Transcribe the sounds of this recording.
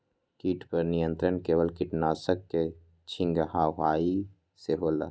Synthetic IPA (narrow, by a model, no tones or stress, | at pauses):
kiːʈpəɾnijə̃nt̪ɾənkeːʋəlkiʈnaːsəkːe | t͡ʃʰɪ̃ŋɡɦaɦaːi | seɦoːla̰